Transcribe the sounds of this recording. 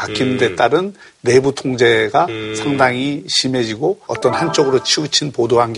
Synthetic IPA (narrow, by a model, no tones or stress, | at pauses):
ak͈ʰinɯnde̞t͈aɾɯnː | e̞butʰoŋd͡ʑe̞ɡasʰaŋdaŋiɕʰime̞d͡ʑiɡoʌt͈ʌnhant͡ɕ͈oɡɯɾot͡ɕʰiut͡ɕʰinpodoɦanɡ